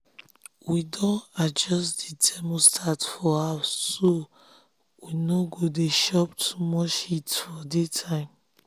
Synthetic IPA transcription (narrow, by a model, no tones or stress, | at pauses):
widɔ̃nad͡ʒɔstdidʰɛmostʰatfɔaso | winoɡodeʃɔptʰumɔt͡ʃitfɔditʰãɪ̃m